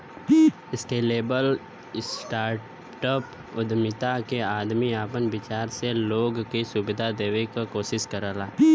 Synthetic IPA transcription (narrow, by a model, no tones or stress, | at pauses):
ɪsʈeːleːbəl | sʈaːɾ | ʈəp | ʊd̪mɪt̪akeaːd̪miaːpənbɪt͡ʃaːɾseloːɡkisʊbɪd̪ʱad̪eːwekakoːsɪskəɾaːlaː